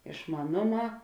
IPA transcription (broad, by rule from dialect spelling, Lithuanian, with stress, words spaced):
ɪʃmɐˈnoːˌmɑː